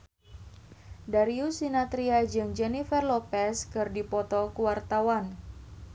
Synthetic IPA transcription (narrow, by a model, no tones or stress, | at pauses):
daɾiusinat̪ɾiad͡ʒɨŋd͡ʒɛnifɛrlɔpɛskɨrdipɔt̪ɔkuwart̪awan